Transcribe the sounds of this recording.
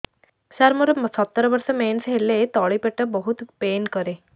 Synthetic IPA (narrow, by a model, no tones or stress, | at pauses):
ɕaɾmuɾsət̪ːəɾəʋəɾsəmensɦelet̪ɔɭipeʈəbəɦut̪penkəɾe